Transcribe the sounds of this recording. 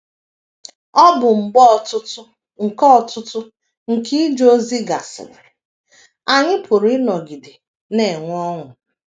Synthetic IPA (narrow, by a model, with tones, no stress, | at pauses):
ɔ˦bʊ˨ŋ͡m̩˨ɡ͡bɔ˦˨tʊ˦tʊ˦ | ŋ̩˨kɔ˦˨tʊ˦tʊ˦ | ŋ̩˨ki˦d͡ʒo˦zi˦ɡa˨sɪ̰˨ɾɪ˨ | a˨ɲɪ˦pʰʊ˨ɾɪ˦nɔ˨ɡi˨dɪ˨ | ne˨ŋʷ˦ɔ˦ŋʷʊ˨